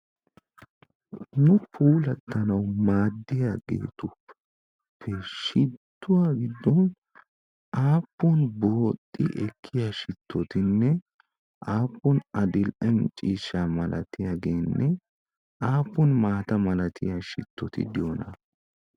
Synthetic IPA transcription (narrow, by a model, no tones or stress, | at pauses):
nʊpʰuːlɐt̪ːɐnɐwmaːd̪ːɪjaɡḛːt̪ʊ | pʰːɛʃɪt̪ːʊwaːɡɪd̪ːɔn | ʔaːpːɔnboːt̪ʼːɪʔɛkʰːɪjaʃɪt̪ʰːɔt̪ɪnːɛ | ʔaːpːɔnɐd̪ɪlʔɐmt͡ʃʼiːʃːaːmɐlɐ̰t̪ɪjaːɡe̞ːnːʔɛ | aːpːɔnmaːt̪ɐmɐlɐt̪ɪjaʃɪ̰t̪ʰːɔt̪ɪ̰d̪ɪjonɐ̰